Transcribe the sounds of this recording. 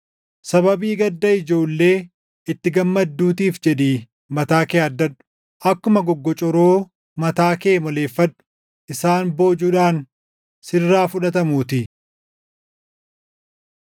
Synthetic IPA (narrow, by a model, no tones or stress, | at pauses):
sɐβɐbiːɡɐd̪ːɐɪd͡ʒo̞ːlːe̞ː | ɪt̪ːɪɡɐmːɐd̪ːuːt̪iːfd͡ʒɛd̪iː | mɐt̪aːkeːɐd̪ːɐᶑʊ̥ | ʔɐkːʊmɐɡɔɡːɔt͡ʃʼɔɾoː | mɐt̪aːke̞ːmɔle̞ːfːɐᶑʊ̥ | ʔɪsaːnbo̞ːd͡ʒuːᶑaːn | sɪrːaːfʊᶑɐt̪ɐmuːt̪ɪ